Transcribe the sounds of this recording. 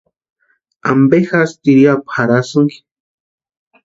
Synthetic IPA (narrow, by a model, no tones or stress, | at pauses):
ambexast̪iɾjapxaɾasuŋki̥